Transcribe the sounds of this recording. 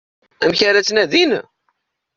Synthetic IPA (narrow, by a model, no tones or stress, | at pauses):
æmçaɾæt͡sːnæðin